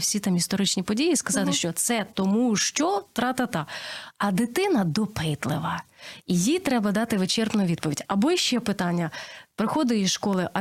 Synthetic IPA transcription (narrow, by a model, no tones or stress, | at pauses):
wsʲit̪ɑmist̪ɔɾɪt͡ʃnʲipɔdʲijiskɐzɑt̪ɪʃt͡ʃɔt̪sɛt̪ɔmuʃt͡ʃɔt̪ɾɑt̪ɐt̪ɑɐd̪ɪt̪ɪnɐd̪ɔpɪt̪lˠɪʋɐijit̪ɾɛbɐd̪ɑt̪ɪʋɪt͡ʃɛrpnʊʋʲid̪̚pɔʋʲidʲɐbɔiʃt͡ʃɛpɪt̪ɑnʲːɐpɾɪxɔd̪ɪizʃkɔlˠɪʔɐ